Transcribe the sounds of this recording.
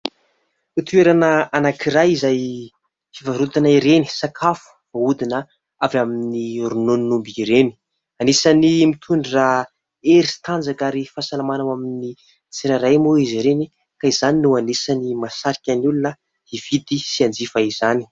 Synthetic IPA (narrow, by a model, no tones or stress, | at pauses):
ut̪ueɾanəanakiɾajizaj | fivaɾut̪anaiɾeni̥sakʰafu̥v̥aud̪inə | avaminiɾunoninumbiɾeni̥ | anesanimit̪ʰuɳɖ͡ʐira | eɾist̪and͡zakaɾifasalamanawamini | t͡siɾaɾajmoiziɾeni | kaizaninuanesanimasaɾikʲanulunə | hiv̥it̪isiand͡zifaiz̥ani̥